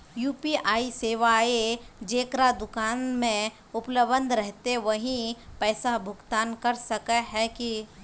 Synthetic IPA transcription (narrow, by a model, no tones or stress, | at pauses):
juːpiaːiseːʋaed͡ʒeːkɾad̪ʊkaːnmẽ | ʊpləbə̃nd̪ɾɛɦt̪eʋɐɦĩpɛːsabʱʊɡt̪aːnkɐɾsɐkaɦɛki